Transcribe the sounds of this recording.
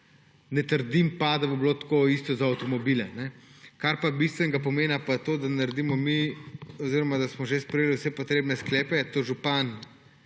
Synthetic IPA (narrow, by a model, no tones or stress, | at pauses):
nɛt̪əɾd̪impad̪aboblot̪koist̪ɔzaːwt̪ɔmɔbilɛnɛkaɾpabist̪ʋɛnɛɡapɔmeːnapat̪od̪anaɾd̪imɔmioziɾɔmad̪asmɔʒespɾɛjeːliwsɛpɔt̪ɾeːbnɛsklɛːpɛt̪oʒupan